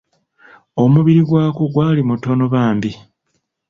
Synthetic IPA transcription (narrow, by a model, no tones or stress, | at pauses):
o̞muβiɾiɡwaːkuɡwaːlimuto̞no̞βaːmbi